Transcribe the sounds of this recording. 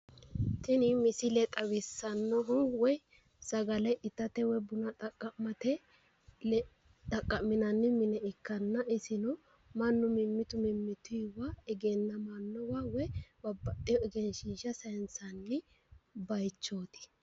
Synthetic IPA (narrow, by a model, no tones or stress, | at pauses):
t̪ɪnɪmɪsɪlɛt̪ʼɐwɪsːɐnːɔɦʊnwɔj | sɐɡɐlɛjʔɪt̪ːɐt̪ɛwɔjbʊnɐt̪ʼɐkʼːɐmɐt̪ɛ | t̪ɐkʼːɐmɪnɐnːɪmɪnɛɪkːɐnːɐʔɪsɪnɔ | mɐnːʊmɪmːɪt̪ʊmɪmːɪt̪ʊwaːɪɡeːnːɐmɐnːɔwawɔjwɐbɐt̪ʼːɪjɔɪɡɛnʃiːʃɐsɐjnsɐnːɪ | bɐjt͡ʃːo̞ːt̪ɪ̥